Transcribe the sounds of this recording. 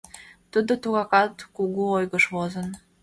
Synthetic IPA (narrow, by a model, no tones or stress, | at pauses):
t̪əd̪ot̪uɣɑkɑt̪kuɣuojɣəʃβozən